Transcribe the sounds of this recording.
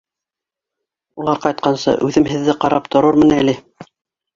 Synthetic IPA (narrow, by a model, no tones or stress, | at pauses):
ulˠɑɾqɑjt̪̚qɑnsɤ̰ʔʉðɘmhɘ̆ðːɘqɑɾɑpt̪ŏɾɤɾmɘ̆næli